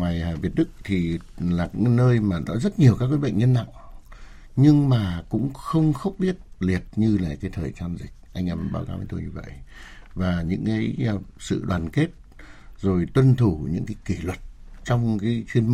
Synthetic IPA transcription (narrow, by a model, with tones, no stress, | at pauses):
waː˨˩jaː˨˩vi˨˩ət̚ɗɨ˦˥k̚t̪ʰi˨˩laː˨˩˧nəː˧jmaː˨˩nɔ̰˨˦zə˦˥t̚ɲi˨˩əwkaː˦˥k̚wːɓə̰˧˨jŋ̟ɲə˧nːa̰ː˧˨w | ɲɨ˧ŋmaː˨˩kʊ̰˧˥ŋ͡mxə˧wŋ͡mxə˧˦˥wk͡p̚ɓi˦˥ət̚li˨˩ət̚ɲɨ˧laː˨˩kaː˨˦jt̪ʰəː˨˩jt͡ɕaː˧nzï˨˩k̟̚ʔa˧jŋʔɛ˧mɓa̰ː˧˩wkaː˨˦wveː˨˦t̪o˧jɲɨ˧və̰˧˨jʔvaː˨˩ɲɨ̰˧˥ŋkaː˨˦jsɨ̰˧˨ɗwaː˨˩nke˦˥t̚ | zo˨˩jt̪wə˧nt̪ʰu˧˩ɲɨ̰˧˥ŋkaː˨˦jki˧˩lwə˨˩t̚t͡ɕɔ˧wŋ͡mkaː˨˦jt͡ɕwi˧ənm